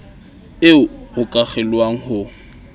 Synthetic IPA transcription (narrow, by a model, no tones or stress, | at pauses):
ɪʊʊkʼaχɛlwaŋ̩hʊ